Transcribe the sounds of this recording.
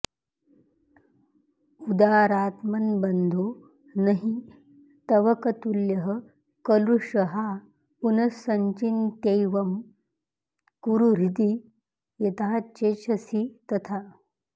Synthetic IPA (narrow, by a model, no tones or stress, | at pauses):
ud̪aːɾaːt̪mɐnbɐnd̪ʱo | nɐɦi | t̪ɐʋɐkɐt̪uljɐɦə | kɐluʂɐɦa | punɐsɐɲt͡ʃint̪ejʋɐm | kuɾuɾit̪i | jɐt̪at͡ʃeːt͡ʃʰɐsit̪ɐt̪ʰa